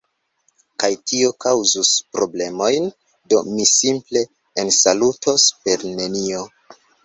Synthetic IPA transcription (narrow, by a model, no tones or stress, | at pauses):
kajtio̞kawzuspɾo̞ble̞mo̞jn | do̞misimple̞ː | nsalutospe̞ɾne̞nio̞